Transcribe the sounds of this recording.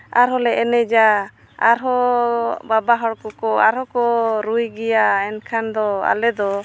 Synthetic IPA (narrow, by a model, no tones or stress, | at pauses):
aɾɦɔlɛʔɛnɛd͡ʒa | aɾɦɔ | babaɦɔɽkɔkɔaɾhɔkɔɾujɡɛjaɛnkʰand̪ɔa̰lɛd̪ɔ